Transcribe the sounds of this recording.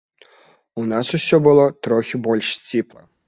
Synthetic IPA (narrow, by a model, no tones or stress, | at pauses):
unasusʲɔbɨlˠɔt̪ɾɔxʲibɔlʲʂsʲt͡sʲiplˠɐ